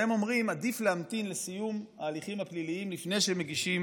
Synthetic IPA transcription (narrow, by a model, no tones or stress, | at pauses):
emo̞mʁimad̪ifleamt̪inlesijumaːliχimapliliimlifne̞jʃemeɡiʃim